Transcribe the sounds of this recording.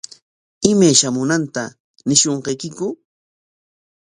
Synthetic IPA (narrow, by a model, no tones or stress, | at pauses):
ɪmajʃamʊnant̪a | nɪʃoɴqɑjkɪkʊ